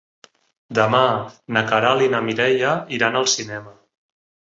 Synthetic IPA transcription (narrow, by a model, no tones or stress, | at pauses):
d̪əmanəkaɾalinəmiɾɛjəiɾanəlˠsinɛmə